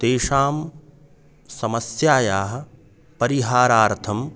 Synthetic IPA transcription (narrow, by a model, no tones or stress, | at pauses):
t̪eːʂaːm | sɐmɐsjaːjaːɦɐ̆ | pɐɾiɦaːɾaːɾt̪ʰɐm